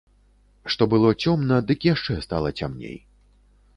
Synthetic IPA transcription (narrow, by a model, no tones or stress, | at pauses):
ʂt̪ɔbɨlˠɔt͡sʲɔmnɐd̪ɨkjaʂt͡ʂɛst̪alˠɐt͡sʲamnʲḛj